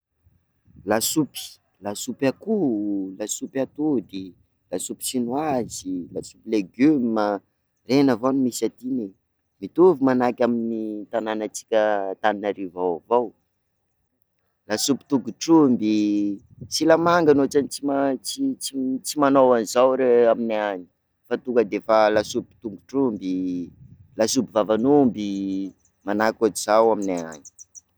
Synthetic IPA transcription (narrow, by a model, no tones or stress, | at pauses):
lasupi̥ | lasupakulasupat̪ud̪i | lasupi̥sinwazilasupileɡymə | renavonimisat̪ine | mit̪uvimanakʲaminit̪ananat͡si̥kʲət̪aninaɾivawavow | lasupi̥t̪uɡuʈ͡ʂumbi | silamaŋɡanoʈ͡ʂanit͡simat͡sit͡sit͡simanowanizawɾeaminaani̥ | fat̪uŋkəd̪efalasupi̥t̪uŋɡuʈ͡ʂumbi | lasubivavanumbi | manakʲod͡ʒiz̥awaminaani̥